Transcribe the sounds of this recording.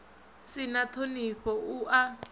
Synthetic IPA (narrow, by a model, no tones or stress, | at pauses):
sɪnatʰoniɸɔuʔa